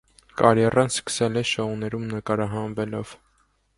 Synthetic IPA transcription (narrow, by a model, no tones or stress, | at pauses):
kɑɾjɛrɑnskə̥sɛlɛʃɔunɛɾumnəkɑɾɑɦɑnvɛlɔv̥